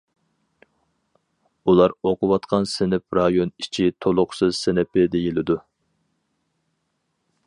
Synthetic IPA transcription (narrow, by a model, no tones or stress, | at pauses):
ulˠɑɾoqʊwɑt̪qʰɑnsɪnɪp̚ɾɑjonit͡ʃʰit̪ʰolˠʊqsɨz̥sɪnɪpɪd̪ejilɪd̪u